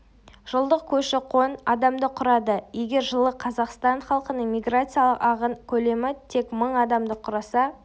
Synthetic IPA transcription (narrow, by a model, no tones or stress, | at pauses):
ʒ̥əlˠd̪əq̚kʲʰɵʃɪqʰonɑd̪ɑmd̪əqʰʊɾɑd̪əje̞ɡʲe̞ɾʒəlˠəqʰɑzɑqst̪ɑɴχɑlˠqənəɴmʲijɡrat̪sɨjɑlˠəqɑʁənkʲʰɵle̞mɪt̪ʰe̞kməɴɑd̪ɑmd̪əqʰʊɾɑsɑ